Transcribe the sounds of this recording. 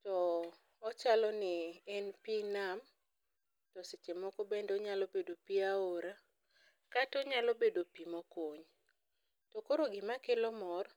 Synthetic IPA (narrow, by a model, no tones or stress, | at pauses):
tɔː | t͡ʃalɔnɪɛnpinam | tɔset͡ʃemɔkɔbendɔɲalɔbedopiaoɾa | katɔɲalobedopimɔkoɲ | tɔkoɾoɡɪmakelɔmɔr